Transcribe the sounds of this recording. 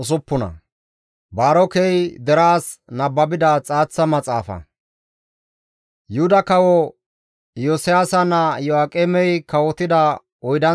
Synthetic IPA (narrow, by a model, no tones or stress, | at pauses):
ʊs̬ʊpːʊnɐ̰ | baːɾɔkɛjd̪ɛɾaːsnɐbːɐbɪd̪ɐt͡sʼaːt͡sːɐmɐt͡sʼaːfɐ̰ | jʊhʊd̪ɐkɐwɔ | joːsɪjaːsɐnɐjɔaːkʼɛmɛjkɐwɔt̪ɪd̪ɐ | ɔjd̪ɐ